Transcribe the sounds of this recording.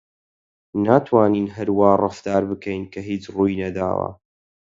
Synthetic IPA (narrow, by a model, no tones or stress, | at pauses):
naːt̪ʰwaːniːnɦɐɾwaːrˤɐft̪aːɾbɨkʰɛjnkʰɐɦiːt͡ʃruːjnɐd̪a̰ːwɐ̰